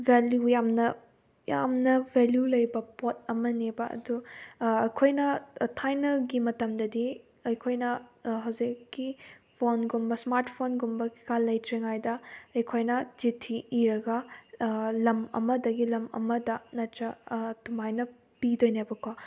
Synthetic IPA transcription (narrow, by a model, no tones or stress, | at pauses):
bʱeljujamnɐ | ja̰mnɐvʱeljulɐjbɐpot̚ɐmɐnebɐɐ̰duɐjkʰojnɐtʰajnɐɡimɐtɐmdɐdi | ɐjkʰojnɐɦɐwzikːipʰonɡumbɐsmaɾtʰpʰonɡumbɐki̥kalːɐjtɾeŋajdɐɐjkʰojnɐd͡ʒitʰiʔːɾɐɡɐ | lɐmɐ̰mɐdɐɡilɐmɐ̰mɐdɐnɐtɾɐtumajnɐ | pidojnebɐkʰwa